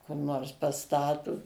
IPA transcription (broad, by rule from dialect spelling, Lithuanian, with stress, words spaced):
kʊr ˈnoːrs pɐˈstɑːtʊ